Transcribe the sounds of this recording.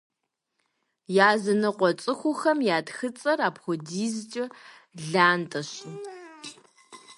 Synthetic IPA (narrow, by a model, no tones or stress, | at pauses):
jaːzɨnɨqʷʼɔt͡ʃʼɨxʷʊxɐmjaːtxɨt͡sʼɐraːpxʷɔdiːzt͡ʃʼɐ | ɮaːntʼɐɕɪ